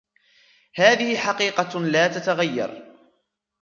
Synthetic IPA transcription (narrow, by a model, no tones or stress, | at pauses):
haːðɪhɪħɑqiːqɑlaːt̪at̪aɣajːɑ̰ɾˤ